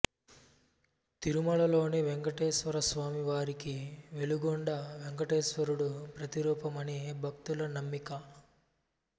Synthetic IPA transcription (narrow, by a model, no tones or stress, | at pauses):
t̪iɾumɐlɐlo̞ːniʋeŋkɐʈeːʃʋɐɾɐsʋaːmiʋaːɾikiʋe̞luɡoɳɖɐʋeŋkɐʈeːsʋɐɾuɽupɾɐt̪iɾuːpɐmɐnibʱɐk̚t̪ulɐnɐmːikɐ